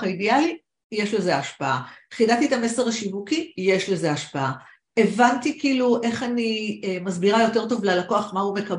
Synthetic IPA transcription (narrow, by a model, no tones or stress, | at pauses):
aidiali | jeʃleze̞aʃpaaχidat̪iet̪ame̞seʁaʃimukije̞ʃle̞ze̞aʃpaa | e̞vantikiːluʔe̞χanimazbiʁajo̞te̞ʁto̞vlalako̞aχmaume̞kɐb